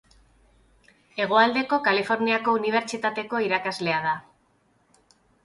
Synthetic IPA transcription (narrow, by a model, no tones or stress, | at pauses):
e̞ɣ̞o̞ald̪e̞ko̞kalifo̞ɾniako̞uniβ̞e̞ɾt͡ʃit̪at̪e̞ko̞iɾakazle̞að̞a